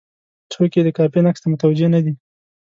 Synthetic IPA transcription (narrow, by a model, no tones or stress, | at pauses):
t͡soked̪əkɑpinakst̪amʊt̪awad͡ʒenad̪i